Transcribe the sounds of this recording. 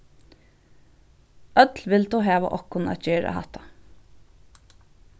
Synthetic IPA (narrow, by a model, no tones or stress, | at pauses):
ʔœt̪lʋɪld̪uːɦɑːʋa̰ʔɔkʊnæ̰t̪t͡ʃœːɾa̰hɑ̰t̪ɑ̥